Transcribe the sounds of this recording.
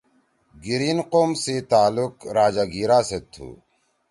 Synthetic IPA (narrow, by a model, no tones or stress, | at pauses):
ɡiɾiːnqoːmset̪aːlukɾaːd͡ʑaːɡiːɾaːset̪ʰṵː